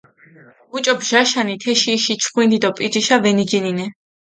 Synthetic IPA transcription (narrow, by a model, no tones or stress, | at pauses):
ut͡ʃʼɔbʒaʃanit̪ʰɛʃiːʃit͡ʃʰχwind̪id̪ɔpʼid͡ʒiʃavɛnid͡ʒininɛ